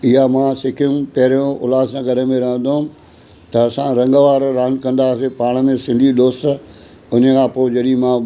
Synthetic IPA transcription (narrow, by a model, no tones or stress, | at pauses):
ɪɦamãːsɪkʰijũpɐɦɾijõʊ̰laːzsãːɡʱɐɾəmẽɾɐɦə̃nd̪oɦʊ̃ | t̪ɐːsãɾɐ̃ŋɡəʋaːɾɾaːnkɐ̃nd̪aːsepaːɽ̃əmẽsɪ̃nd̪ʱiɗ̪oːst̪̆ | ʊn̤əkʰãːpoːd͡ʑɐɗimã